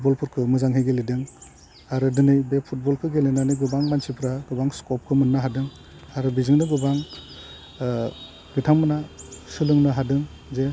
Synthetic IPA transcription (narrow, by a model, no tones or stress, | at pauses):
bɔlpʰɯɾkʰɯmɯzaŋɦiɡelidɯŋ | aɾɯdɯnɯjbepʰut̚bɔlkʰɯɡelinanɯɡɯbaŋbansipʰɾaɡ̥ɯbaŋskɔp̚kʰɯmɯnːaɦadɯŋ | aɾɯbizɯŋnɯɡɯbaŋ | ɡɯtʰaŋmɯnasɯlɯŋnɯɦadɯŋ | ze